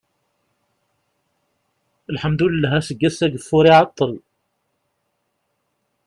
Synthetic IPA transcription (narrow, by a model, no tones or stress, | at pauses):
əlħəmd̪ullːæɦæsəɡːæsæɡəfʊɾiʕɑt̪ˤːəl